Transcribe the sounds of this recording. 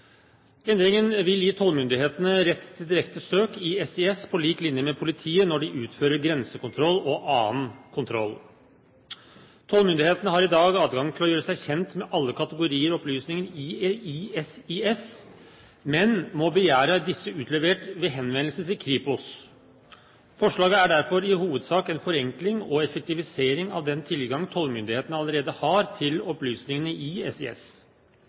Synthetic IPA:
ɛnd̪ɾɪŋənʋɪljiːt̪ʰɔlmʏnd̪ɪheːt̪ənəɾɛt̪ːt̪ʰːɪld̪ɪɾɛkt̪əsøːkɪɛsɛɛspʰɔliːklɪnjəmɛpʰʊlɪt̪ʰiːənɔɖɪʔʉːt̪føːɾəɾɡɾɛnsəkʊnt̪ʰɾɔlːɔʔɑːənkʰʊnt̪ʰɾɔ̰lː | t̪ʰɔlmʏnd̪ɪheːt̪ənəɦɑɾɪd̪ɑːɡɑːd̪ɡɑŋt̪ʰɪlɔjøːɾəsæɪçɛnt̪mɛʔɑlːəkʰɑt̪əɡʊɾiːəɾɔɔplyːsnɪŋəniiɛsiɛs | mɛnmɔbəjæːɾəd̪ɪsːəʉːt̪ʰlɛʋeːʈʋeːɦɛnʋɛnlsət̪ʰɪlkʰɾiːpʊs | fɔʂɭɑːɡəæɖæɾfɔɾɪhuːʋəd̪sɑːkɛnfɔɾɛŋklɪŋɔɛfək̚t̪ɪʋɪseːɾɪŋɑ̰ʋd̪ɛnt̪ʰɪlɡɑŋt̪ʰɔlmʏnd̪ɪheːt̪ənəɑləɾeːd̪əhɑɾt̪ʰɪlɔplyːsnɪŋənəɪɛsɪ̰ɛ̰s

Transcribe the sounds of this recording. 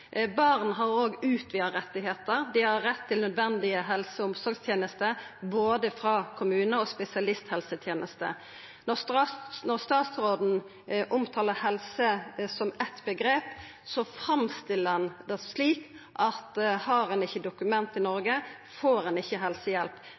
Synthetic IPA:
bɑʁnɦɑʁoːɡʉːt̪ʰʋiːəɾɛt̪ːɪɦeːt̪əɾd̪ɪhɑʁɾɛt̪ʰːɪlnœd̪ʋɛnd̪ɪəɦɛlsəʊmsɔɾɡst̪ʰjeːnəst̪əboːd̪əfɾɑkʰʊmʉːnəɔspɛsɪɑlɪst̪hɛlsət̪ʰjeːnʔəst̪ə̰ | nɔʁst̪ɑnɔʁst̪ɑːt̪sɾoːd̪n̩ | ʔʊmt̪ʰɑːləʁhɛlsəsɔmɛt̪bəɡɾeːp | sɔfʁɑmst̪ɪlːəɛnd̪ɛsliːk | ʔɑt̪hɑɾɛnɪçːəd̪ʊkʉmɛnt̪ɪnɔɾɡə | foːɾʁɛnɪçːəɦɛlsəjɛlp

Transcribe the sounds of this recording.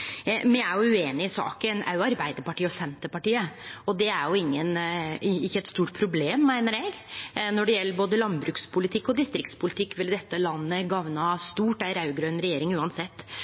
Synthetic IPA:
mɪæɾjʊʉeːnɪɪsɑ̰ːkənʔæ̰ɾjʊɑɾbæɪd̪əɾpɑʈiːəɔsɛnt̪əpɑʈiːəɔd̪ɛæɾjʊɪŋːən | ɪçːəɛt̪st̪uːʈ̚pʰɾʊbleːmːæɪnəɾɛɡnɔɖɛjɛlːəboːd̪əlɑnbɾʉːkspʰʊlɪt̪ʰɪkːɔd̪ɪst̪ɾɪkt̪spʰʊlɪt̪ʰɪkːʋɪld̪ɛt̪ːəlɑnːəɡɑʋnɑst̪uːʈæɪɾɑʉɡɾøːnɾɛjeːɾɪŋʉːɑnsɛt̪ː

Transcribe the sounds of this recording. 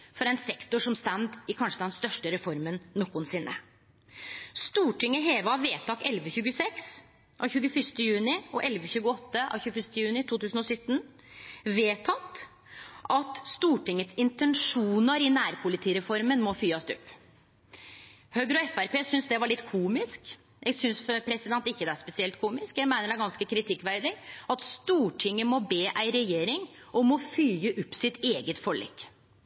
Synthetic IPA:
fɔɾɛnsɛkt̪ʊʂɔmst̪ænd̪ɪkʰɑnʂəd̪ɛnst̪œʂʈəɾɛfɔɾmənːɔkːʊnsɪnːʔə̰ | st̪uːʈɪŋːəɦeːʋəɑʋeːt̪ʰɑkɛlʋəçʉːɡəsɛks | ʔɑʋçʉːɡəfʏʂt̪əjʉːnɪɔʔɛlʋəçʉːɡəɔt̪ːəʔɑ̰ʋçʉːfʏʂt̪əjʉːnɪt̪ʰuːt̪ʰʉːsənɔsʏt̪ːn | ʋeːt̪ʰɑt̪ː | ʔɑt̪st̪uːʈɪŋːət̪sɪnt̪ʰɛnʂuːnəɾɪnæːɾpʰʊlɪt̪ʰiːɾɛfɔɾmənmɔfyːɑst̪ʉpː | høɡɾɔɛfæɾpeːsʏnsd̪ɛʋɑɭɪt̪ːkʰuːmɪsk | jæɡsʏnsfpʰɾɛsɪd̪ɛnt̪ɪçːəd̪ɛæspɛsɪɛlt̪̚kʰuːmɪskjæɪɡmæɪnəɖæɾɡɑnskəkʰɾɪt̪ʰɪkːʋæɾd̪ɪɑt̪st̪uːʈʰɪŋːəmɔbeːʔæɪɾɛjeːɾɪŋ | ʔɔmɔfyːəʔʉpːsɪt̪eːɡət̪fɔɭɛ̰kː

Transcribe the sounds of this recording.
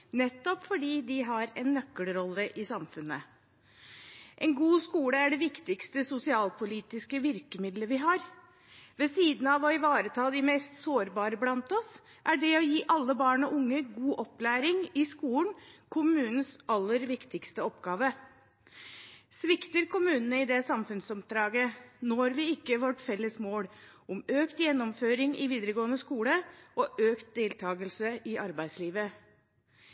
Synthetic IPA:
nɛt̪ːɔpfɔɖiːd̪ɪɦɑɾɛnːœkːəlɾɔlːəʔɪsɑmfʉnːə | ʔɛnɡuːskuːləæɖɛʋɪkt̪ɪkst̪əsʊsɪɑːlpʰʊliːt̪ɪskəʋɪɾkəmɪd̪ləʋɪɦɑːɾ | ʋɛsiːd̪n̩ɑʋɔɪʋɑːɾət̪ʰɑːd̪ɪmɛːst̪soːɾbɑːɾəblɑnt̪ɔs | ʔæɖɛɔjiːʔɑlːəbɑːɳɔʔʊŋːəɡuːʔɔplæːɾɪŋɪskuːlnkʰʊmʉːnn̩sɑlːəɾʋɪkt̪ɪkst̪əɔpɡɑːʋə | sʋɪkt̪əɾkʊmʉːnənəɪd̪ɛsɑmfʉnsɔpd̪ɾɑːɡənɔɾʋɪɪkːəʋɔʈfɛlːəsmoːɽʔʊmøːkt̪jɛnːɔmføːɾɪŋʔɪ̰ʋiːd̪əɾəɡoːnəskuːləʔɔʔøːkt̪̚d̪eːlt̪ʰɑːɡəlsəɪʔɑɾbæɪd̪sliːʋə

